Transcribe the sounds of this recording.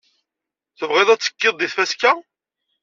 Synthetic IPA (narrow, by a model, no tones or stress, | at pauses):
θəvʁeðˤæt͡sːə̥kːɪðˤːiθfæskæ